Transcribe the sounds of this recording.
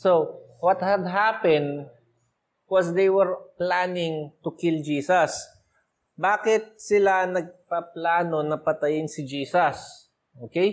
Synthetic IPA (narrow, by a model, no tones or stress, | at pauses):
so | wɐt̪hɐd̪̚ɦaːpɛ̃nd̪ | wɐsd̪ejwɛɹplaːnɪŋt̪ʊkɪld͡ʒiːsɐs | baːkɪt̪̚sɪlanɐɡ̚pɐplaːnonɐpɐt̪ɐjɪnsɪd͡ʒiːsɐs | ʔoːkej